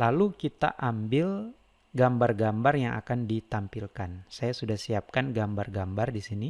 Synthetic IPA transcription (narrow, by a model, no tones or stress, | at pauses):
lalukit̪a̰ʔambɪl | ɡambarɡambarjaŋʔa̰kandit̪ampilkansajasudahsiap̚kanɡambarɡambardisini